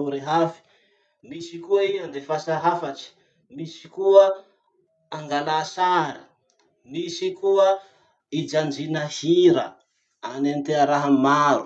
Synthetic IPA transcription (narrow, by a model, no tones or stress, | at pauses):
ɾeɦafi̥ | misikuaiand̪efasaɦafaʈ͡ʂi̥ | misi̥kuə | aŋɡalasaɾi | misikuə | id͡ʒand͡ʒinəhiɾə̰ | anant̪eəɾaɦəmaɾu